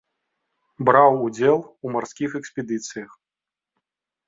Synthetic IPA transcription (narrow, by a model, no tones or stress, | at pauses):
bɾawud͡zʲɛlˠumarsʲkʲixɛksʲpʲɛd̪ɨt̪sɨjɐx